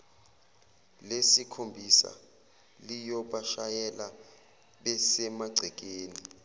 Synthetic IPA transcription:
lesikʰombʱisa̰ | lijɔɓaʃajɛla | ɓɛsɛmaɡ͡ǀʱɛk̬ʼeːni

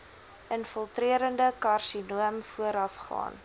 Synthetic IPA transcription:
ənfəlˠtriəɾəndəkɑrsinuəmfuəɾɐfχɑ̰ːn

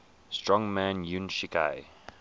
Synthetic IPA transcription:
stɹɔ̃ŋmæ̃njunʃika̰ɪ

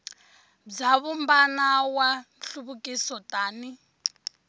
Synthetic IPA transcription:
b͡ʐaβumbanawanɬuβukʼisɔtʼaːni

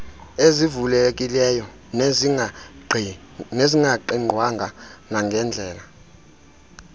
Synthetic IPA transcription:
ezivulɛkʼilɛjɔ | neziŋɡʱaǃiŋ͡ǃʱwaŋɡʱanaŋɡʱɛnd͡ɮʱɛːla

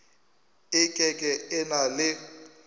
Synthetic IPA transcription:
ɪkʼɛkʼɛɪnalɪ

